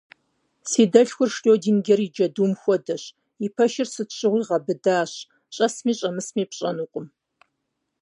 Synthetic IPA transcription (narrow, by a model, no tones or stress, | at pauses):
siːdɐɬxʷʊrʂɬʼoːdiːnɡʲɐrid͡ʒɐduːmxʷɔdɐɕ | ipʰɐʃɪrsɨtɕʼɪʁʷiːʁɐbɨdaːɕ | ɕʼɐsmiːɕʼɐmɨsmiːpɕʼɐnuːqʷʼʊm